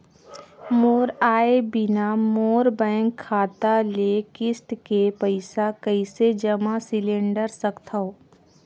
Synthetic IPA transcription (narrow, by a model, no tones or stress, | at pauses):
moːɾaːebɪnamoːɾbɛ̃ːŋkʰːaːt̪alekɪsʈ̪kepəɪsakəised͡ʒɐmasɪlẽɳɖəɾsəkt̪ʰəo